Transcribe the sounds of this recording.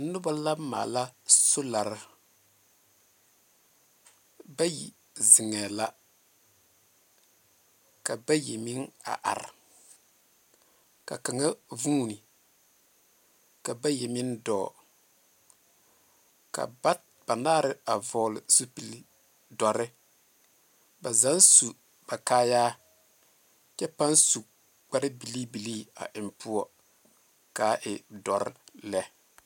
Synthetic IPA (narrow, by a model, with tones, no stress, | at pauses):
nʊ˦ba˦la˦ma̰ː˨la˦so˦la˨ɾɪ˦ | ba˦jḭ˨ | zɪ˨ŋɛː˨la˦ | ka˨ba˦je˨mi˦ŋa̰˨ʔa̰˨ɾɪ˨ | ka̰˨ka˨ŋa˦vuː˦ni˨ | ka˨ba˦je˨mi˦ndɔ̰ː˦˨ | ka̰˨˦ | b̥a˨naː˦ɾɪ˦a˨vɔː˨lɪ˨su˦pi˨l | dɔ˨ɾɪ˦ | ba˨za˨˦nsu˨ | ba˨kaː˦jaː˦ | t͡ʃɛ˦pa˦nsu˨ | k͡pa˦ɾɪ˦bi˨li˦bi˨liː˦a̰˨ʔɪ˨mpʊ˦ɔ˦ | kaː˨˦ʔɪ˨dɔ˨ɾɪ̰˦lɛ˦